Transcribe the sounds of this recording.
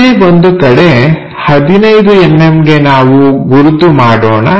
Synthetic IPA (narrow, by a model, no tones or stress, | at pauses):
ebond̪ukɐɽe̞ | hɐd̪inɐjd̪uemːemɡe̞naːʋuɡuɾud̪ːumaːɽoːnɐ